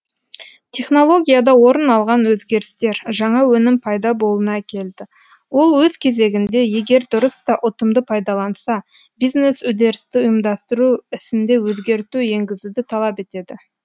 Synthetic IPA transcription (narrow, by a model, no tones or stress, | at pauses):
t̪ʲʰe̞χno̞lˠo̞ɡʲijad̪ɑwo̞ɾənɑlˠʁɑnwɵzɡʲe̞ɾɪst̪e̞ɾʒɑɴɑwɵnɪmpʰɑjd̪ɑbo̞lˠənɑkʲʰe̞ld̪ɪ | wo̞lˠwɵz̥kʲʰe̞ze̞ɡʲɪnd̪e̞je̞ɡʲe̞ɾd̪ʊɾəst̪ɑʔʊt̪əmd̪əpʰɑjd̪ɑlˠɑnsɑ | bijzne̞sʊd̪e̞ɾɪst̪ɪʊjəmd̪ɑst̪əɾuɪsɪnd̪e̞wɵzɡʲe̞ɾt̪uje̞ŋɡʲɪzud̪ɪt̪ʰɑlˠɑpe̞t̪e̞d̪ɪ